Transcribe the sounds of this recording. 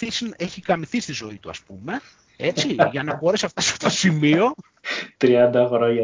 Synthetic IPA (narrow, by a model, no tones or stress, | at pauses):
isneçikɐmiθist̪izo̞it̪uɐ̰spume̞ | e̞t͡siʝɐnɐkoɾesɐft̪ɐsɐ̥t̪osimio̞ | t̪ɾiɐnd̪ɐɣɾojɐ